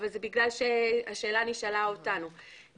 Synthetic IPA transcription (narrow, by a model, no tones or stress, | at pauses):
valzebiɡlalʃe̞aʃe̞ːlaniʃalaotanu